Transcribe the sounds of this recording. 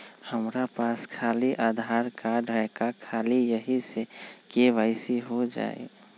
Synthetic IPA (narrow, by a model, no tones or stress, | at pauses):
həmɾapaskʰaːliʔaːd̪ʱaːɾkaɖʱəkakʰaːlijəɦisekeʋaɪsiɦod͡ʒa̰ːḛ